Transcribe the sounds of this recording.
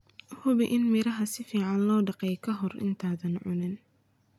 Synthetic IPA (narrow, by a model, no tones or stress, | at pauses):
hʊβɪʔɪnmɪɾɐɦɐsɪfiːʕɑnlɔːɖɑqɛjkʰɐɦɔrɪ̰nt̪ʰaːðɐnʕʊ̰nɪn